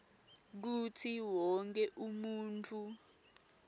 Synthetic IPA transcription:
k̬utʰiwɔŋk̬ʰɛʔumuːntʰu

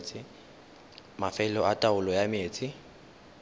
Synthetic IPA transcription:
t͡sʰʼɪ | mafɛlɔʔatʼaʊlɔjameːt͡sʼɪ

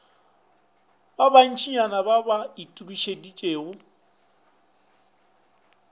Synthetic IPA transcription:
baban̩t͡ʃʰiɲanababaitʼukiʃedit͡ʃʼeːɣʊ

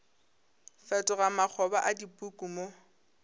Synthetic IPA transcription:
fɛtʼɔɣamak͡xʰɔbaʔadipʼukʼumo

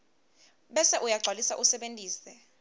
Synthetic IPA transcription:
ɓɛsɛʔujaɡ͡ǀʱalisa̰ʔusɛɓentʼiːsɛ

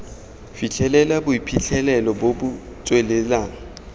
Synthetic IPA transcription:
fit͡ɬʰɛlɛlabʊipʰit͡ɬʰɛlɛlɔbobʊ | t͡sʼwelɛlaːŋ̩

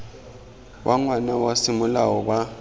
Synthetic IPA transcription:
wʔaŋwanawasimʊlawɔɓa

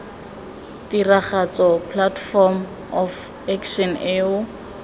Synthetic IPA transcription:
tiraχat͡sɔpʰlatfɔm | ɔf | ɛkʰʃɔneːʊ

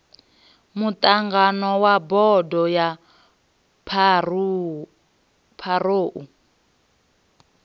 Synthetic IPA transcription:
mutʼaŋɡanɔwabɔdɔja | pʰ | pʰaɾoːʔu

